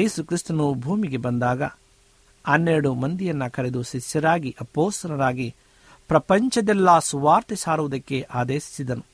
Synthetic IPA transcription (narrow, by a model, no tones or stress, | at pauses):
jeːsukɾist̪ɐnubʱuːmiɡe̞bɐnd̪aːɡɐ | ɐnːeɾɐɽumɐnd̪ijɐnːɐkɐɾed̪uʃiʃjɐɾaːɡiʔɐpːoːst̪ɐɾɐɾaːɡi | pɾɐpɐɲt͡ʃɐd̪ɛlːɐsuʋaːɾt̪isaːɾuʋud̪ɐkːe̞ʔaːd̪eːʃi̥sid̪ɐnu